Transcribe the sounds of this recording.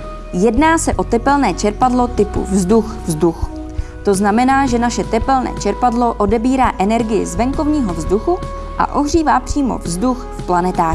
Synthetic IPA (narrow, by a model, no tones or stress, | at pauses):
jɛdnaːsɛʔo̞t̪ɛpɛlnɛːt͡ʃɛɾpadlo̞t̪ɪpṵvzduxvzdux | t̪o̞znamɛnaːʒɛnaʃɛt̪ɛpɛlnɛ̰ːt͡ʃɛɾpadlo̞ʔo̞dɛbiːɾaːʔɛnɛɾɡɪjɪ̰zvɛŋkovɲiːɦo̞vzduxu | ʔa̰ʔo̞ɦr̝iːvaːpr̥iːmo̞̰vzduxfplanɛt̪aː